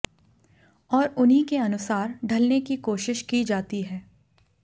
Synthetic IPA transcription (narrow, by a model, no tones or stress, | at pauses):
ɔːɾʊnɦĩkeɐnʊsaːɾɖʱɐlnekikoːʃɪʃkid͡ʒaːt̪iɦɛː